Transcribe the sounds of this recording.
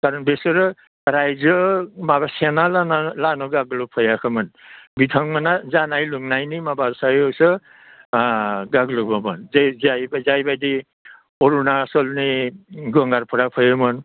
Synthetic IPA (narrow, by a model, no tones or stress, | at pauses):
kaɾɔnbesɯɾɯ | ɾajzɯmabasenalanalanɔɡaɡlupʰɔjakʰɯmɯnbitʰɔŋmanazanajluŋnajnimabaɾsajɔwsɯ | ɡaɡlɔbamɯnzzajbzajbajdi | ɔɾunasɔlniɡɔŋɡaɾpʰɔɾapʰɯjɯmɯn